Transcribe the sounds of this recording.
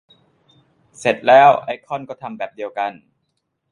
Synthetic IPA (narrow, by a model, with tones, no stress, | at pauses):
se˨˩t̪̚lɛː˦˥wʔa˧˥jkʰɔ˥˩nkɔː˥˩t̪ʰa˧mbɛː˨˩p̚di˧əwka˧n